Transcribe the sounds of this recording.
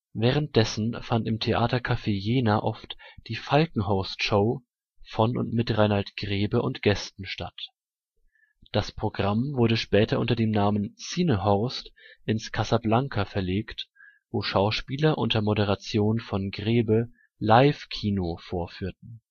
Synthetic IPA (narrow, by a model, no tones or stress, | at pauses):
vɛːʁ̞ənt̚d̥ɛsn̩fantɪmtʰeʔa̰ːtɐkʰafeːjeːnaʔɔftd̥iːfalkŋ̩ɦɔʊstʃoʊ | fɔnʊ̰ntmɪtʁaɪnhaltɡ̥ʁeːbəʔʊntɡ̥ɛstn̩ʃtat | d̥aspʁ̥oɡʁamvʊɐdəʃpɛːtɐʔʊ̰ntɐdeːmnaːmənsiːnəɦɔɐstʔɪnskʰazablaŋkʰafɛɐleːkt | v̥oːʃaʊʃpiːlɐʔʊ̰ntɐmoɾəʁ̞at͡sjoːnfɔnɡʁeːbə | laɪfkʰiːnofoːɐfyːɐtn̩